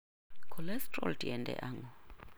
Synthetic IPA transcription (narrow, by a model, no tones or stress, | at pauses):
kʰɔlɛstrɔ̰ltʰiɛndɛ̰ʔaŋɡɔ